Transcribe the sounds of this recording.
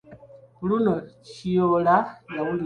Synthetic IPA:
ulunocijolajawuli

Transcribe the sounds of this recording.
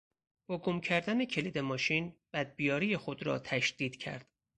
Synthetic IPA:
b̥ɒɡomcʰæɾd̪æne̞cʰe̞liːd̪emɒːʃiːnb̥æd̪̚bijɒːɾije̞xod̪ɾɒ̰ːt̪ʰæʃd̪̥iːd̪̥cʰæ̰ɾd̪̥

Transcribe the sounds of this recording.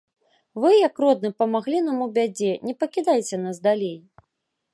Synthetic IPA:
vɨjɐkrɔd̪̚nɨpɐmaɣlʲinamubʲad͡zʲɛnʲɛpɐkʲid̪ajt͡sʲɛnasd̪alʲej

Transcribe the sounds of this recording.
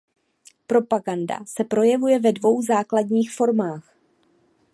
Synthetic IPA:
pɾo̞paɡanda̰sɛpɾo̞jɛvujɛvɛdvo̞wzaːkladɲiːxfo̞ɾmaːx

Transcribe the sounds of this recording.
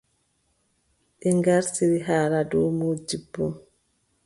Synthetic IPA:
ʔɛŋɡaɾsiɾiɦaːɾadɔːmuːd͡ʒibːɔ

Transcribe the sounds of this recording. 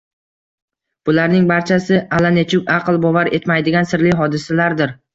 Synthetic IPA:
b̥ʊlaɾnɪŋbaɾt͡ʃʰasɪalanet͡ʃʰʊkʲɑqlˠbɒvaɾe̞t̪majd̪ɪɡʲansɪɾlɪɦɒd̪ɪsalaɾd̪ɪɾ

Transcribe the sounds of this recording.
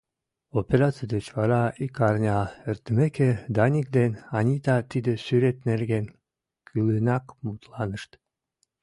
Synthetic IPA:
opʲeɾat̪sid̪et͡ʃvɑɾɑikɑɾnʲɑeɾt̪meked̪ɑnʲikd̪enɑnʲid̪ɑt̪id̪esyɾet̪nelɡen | kʰylinɑkmut̪lˠɑnɯʃt̪

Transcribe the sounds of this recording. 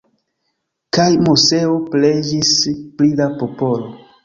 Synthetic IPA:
kajmuse̞opled͡ʒisplidapopo̞lo

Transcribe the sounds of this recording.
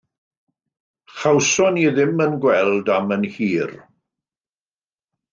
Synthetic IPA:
χawsɔniðɪmənɡwɛlˠdamənhiːr

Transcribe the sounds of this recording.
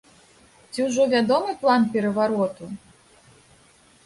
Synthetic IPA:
t͡sʲiwʐɔvʲad̪ɔmɨplˠanpʲɛɾɐvaɾɔt̪u

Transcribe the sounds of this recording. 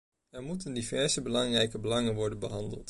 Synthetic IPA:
ɛɹmutəndivɛɹzəbəlɑŋrɛjkəbəlɑŋənʋɔɹdənbəɦɑndə̰lˠt

